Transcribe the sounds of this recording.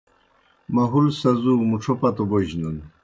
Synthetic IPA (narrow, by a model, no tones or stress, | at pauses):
mɐɦulsɐzumuʈ͡ʂʰopat̪oboʑnun